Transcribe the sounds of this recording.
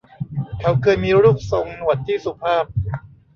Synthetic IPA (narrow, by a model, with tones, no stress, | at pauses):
kʰa˦˥wkʰɤː˧jmiː˧ɾuː˥˩k̚so˨˩ŋnu˨˩ət̪̚t̪ʰːiː˥˩su˨˩pʰaː˥˩p̚